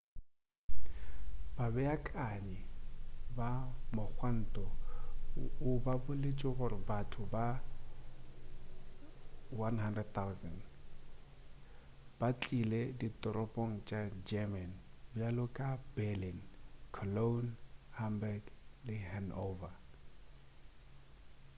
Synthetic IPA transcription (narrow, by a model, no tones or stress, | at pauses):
babɛakʼaɲɛbamʊk͡xwan̩tʼɔ | ʊbabʊlɪt͡ʃʼɪɣʊɾɪbatʰʊba | wanhandrɛd̚t̪ʰawsɛn | b̥at͡ɬʼilɛditʼɔɾɔpʼoŋ̩t͡ʃʼad͡ʒɛmɛnbʊjalʊkʼabɛlinkʰɔlonhambɛɡlɪhanova